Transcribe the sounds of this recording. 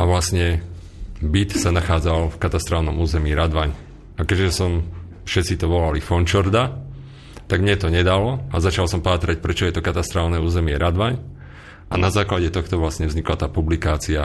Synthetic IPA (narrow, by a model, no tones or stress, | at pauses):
ʔaʋlasɲɛ | bit̪sanaxaːd͡zalfkat̪ast̪ɾaːlnɔmuːzɛmiːɾad̪ʋaɲ | akɛʒɛsɔm | fʃɛt̪t͡sit̪ɔʋɔlalifɔnt͡ʃɔɾd̪a | t̪aɡmɲɛt̪ɔɲɛd̪alɔazat͡ʃalsɔmpaːt̪ɾac̚pɾɛt͡ʃɔjɛt̪ɔkat̪ast̪ɾaːlnɛuːzɛmɪɛɾad̪ʋaɲ | anazaːklaɟɛt̪ɔxt̪ɔʋlasɲɛvzɲiklat̪aːpublikaːt͡sia